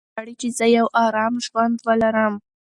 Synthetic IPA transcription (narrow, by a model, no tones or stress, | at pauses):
aɽit͡ʃezəjawʔɑɾɑmʒwand̪wəlaɾəm